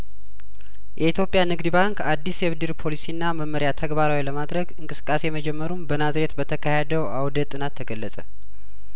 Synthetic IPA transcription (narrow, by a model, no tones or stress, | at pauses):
jʔɛit̪jo̞pʼjanɨɡd̪ɨbaŋkad̪ːisɛβd̪ɨɾpʰo̞lisinːaməmːəɾjat̪ʰəɡbaɾawiləmad̪ɾəɡɨŋkʼɨsɨ̥kʼːase̞jɛməd͡ʒɛmːəɾumbənazɾe̞t̪bət̪ʰəkʰahed̪əwawd̪ət̪ʼːɨnat̪ʰːəɡəlːəsʼə